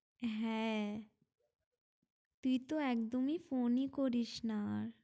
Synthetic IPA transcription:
ɦɛ̃ | t̪uit̪oeːkd̪omifoːnikɔɾiʃnaːɾ

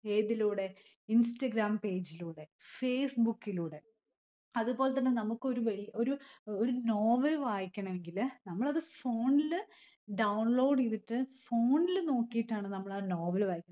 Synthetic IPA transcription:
eːðiluːɽe̞ | insʈɐɡɾaːmpe̞ːd͡ʑiluːɽe̞feːsbukːiluːɽe̞ | ɐðupo̞ːlet̪ːɐnːenɐmukːɨo̞ɾuʋɐɻijɐo̞ɾuoɾunoːʋɐlʋaːjikʲːɐɳɐme̞ŋɡilnɐmːɐɭɐðɨfo̞ːɳil | ɖɐwɳlo̞ːɖiðiʈːɨfo̞ːɳilno̞ːkːijiʈːaːɳɨnɐmːɐɭaɾnoːʋɐlʋaːjikʲːɐɳ

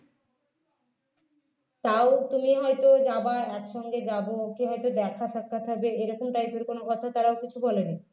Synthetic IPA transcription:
t̪aot̪umiɦɔjt̪od͡ʑabaɾɛkʃɔŋɡed͡ʑabookeɦɔjt̪od̪ɛkʰaʃak̚kʰːat̪ʰabeeɾɔkomʈajpeɾkonokɔt̪ʰat̪aɾaokit͡ɕʰubɔleni

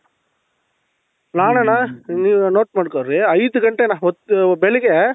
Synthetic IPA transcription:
naːnenaniːʋnoːʈ̚maːɖkoɾɾiɐjd̪uɡɐɳʈenaɔt̪ːbɛɭɛɡe

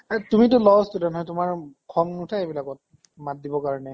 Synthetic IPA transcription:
atumitʊlɔstudɛntɦɔjtʊmaɹkʰɔmnutʰaebilakɔt̚ | mat̚dibɔkaɹɔnɛ

